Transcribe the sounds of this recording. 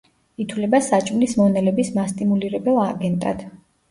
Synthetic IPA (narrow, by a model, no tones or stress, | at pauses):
it̪ʰwlɛbasat͡ʃʼmlismɔnɛlɛbismast̪ʼimuliɾɛbɛlˠaɡɛnt̪ʼa̰d̪̥